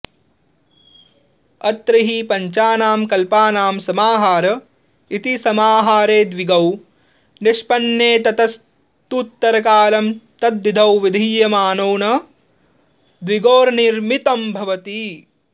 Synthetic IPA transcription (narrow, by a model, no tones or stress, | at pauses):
ɐt̪ɾɐɦipɐɲt͡ʃaːnaːmkɐlpaːnaːmsɐmaːɦaːɾɐ | it̪isɐmaːɦaːɾeːd̪ʋiɡɐw | niʃpɐnjeːt̪ɐt̪ɐs | t̪ut̪ːɐɾɐkaːlɐmt̪ɐd̪ːid̪ʱɐwʋid̪ʱiːjɐmaːnoːnɐ | d̪ʋiɡoːɾniɾmit̪ɐmbʱɐʋɐt̪i